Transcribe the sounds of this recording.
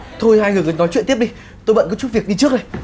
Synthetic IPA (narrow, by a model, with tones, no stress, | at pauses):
t̪ʰo˧jhaː˧jŋɨ˨˩kə˨˩jnɔ˨˦jt͡ɕw̰t̪i˦˥əɗi˧ | t̪o˧jɓə̰˧˨nkɔ˨˦t͡ɕu˦˥t̚vi˨˩ək̚ɗi˧t͡ɕɨ˦˥ək̚ɗə˨˩j